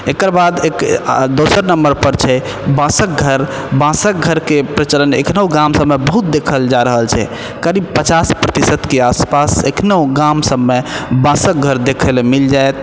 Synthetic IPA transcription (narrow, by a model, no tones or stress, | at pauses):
ekəɾbad̪ekd̪osəɾnəmbəɾpəɾt͡ʃʰɛ | bãsək̚ɡʱəɾ | bãsək̚ɡʱəɾkepɾət͡ʃələnḛkʰnəwɡãmsəmːebəɦut̪̚d̪ekʰəld͡ʒaɾəɦəlt͡ʃʰɛ̰ | kəɾibpət͡ʃaspɾət̪isət̪keaspasekʰnəuɡamsəmːebãsək̚ɡʱəɾd̪ekʰəlemild͡ʒaet̪